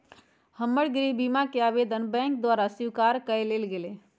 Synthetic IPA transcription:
həmːəɽɡɾibimakeabed̪ənbɛ̃ŋk̚d̪waɾasiwkaɾkəjlelɡele

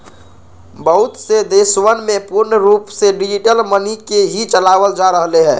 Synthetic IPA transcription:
bəɦut̪sed̪esʋənmẽpuɾnəɾuːpseɖid͡ʒiʈəlmənikeɦit͡ʃəlaʋəld͡ʒaɾəɦleɦɛː

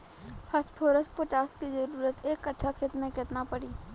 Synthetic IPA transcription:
pʰɐspʰoːɾəspoʈaːskizɐɾuːɾət̪eːkːɐʈʰːakʰeːt̪mẽkɪt̪napəɽiː

